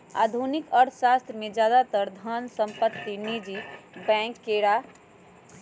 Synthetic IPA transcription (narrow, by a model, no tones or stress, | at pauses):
a̰ːd̪ʱunɪkɔɾʰʃaːst̪ɾəmẽd͡ʒjaːd̪at̪əɾd̪ʱansə̃mpət̪ːinid͡ʒibɛ̃ːŋkːeːɾa